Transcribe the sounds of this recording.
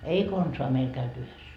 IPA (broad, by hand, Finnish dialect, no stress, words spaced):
ei konsoɑ meil kæyty yhes